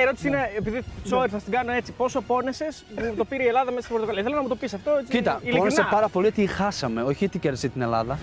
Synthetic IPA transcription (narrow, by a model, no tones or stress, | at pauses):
eɾo̞t̪i̥siineepiðisoeɾθɐst̪iɡɐnoe̞t͡sipo̞sopo̞nese̞spumut̪o̞piɾeielɐðɐmesɐst̪iboɾt̪okɐliɐθelonɐmut̪o̞pisɐft̪oet͡sicit̪ɐilonesepɐɾɐpo̞liot̪ixɐsɐme̞o̞çiot̪iceɾðsit̪ine̞lɐ̰ðɐ